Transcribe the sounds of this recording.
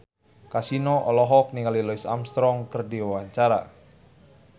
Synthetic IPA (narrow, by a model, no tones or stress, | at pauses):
kasinɔʔɔlɔɦɔk̚niŋalilɔisa̰mst̪ɾɔŋkərdiwawaɲt͡ʃaɾa̰